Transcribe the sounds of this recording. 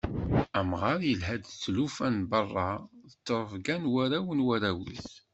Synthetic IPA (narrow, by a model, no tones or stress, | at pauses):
æmʁɑɾjəlɦæd̪t͡sːlufænbərˤːɑðət͡sːɾˤəvɡænwæɾæwənwæɾæwḭθ